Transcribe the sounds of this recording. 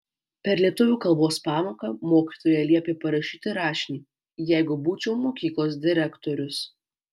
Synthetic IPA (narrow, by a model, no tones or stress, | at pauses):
pʲɛɾlʲiɛt̪ʊʋʲuːkɐlˠboːspɑːmoːkɐmoːkʲiːt̪oːjɛlʲiɛpʲeːpɐɾɐʃʲiːt̪ʲɪɾɑːʃʲɪnʲiː | jæˑɪɡʊbuːt͡ʃʲɛʊmoːkʲiːklˠoːs̬d̪ʲɪɾʲækt̪oːɾʲʊs